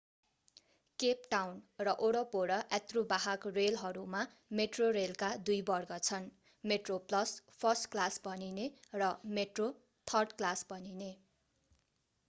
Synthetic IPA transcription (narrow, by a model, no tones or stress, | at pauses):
kep̚ʈawnrʌʔoɽʌpoɽʌʔet̪rubaɦakrelɦʌɾuma | meʈrorelkad̪ujbʌrɡʌt͡sʰʌn | meʈroplʌspʰʌrsʈklasbʌninerʌmeʈro | t̪ʰʌrɖklasbʌnine